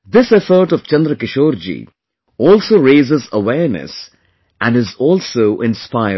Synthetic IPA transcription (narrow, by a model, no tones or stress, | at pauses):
d̪ɪsɛfəɾʈɔʋt͡ʃɛ̃nd̪ɾəkɪʃoːɾd͡ʒḭ | ɔːlsoːɾeːzəzəʋɛːɾnə̰s | ʔæ̃nɖɪzɔːlsoːʔɪ̃nspaɪə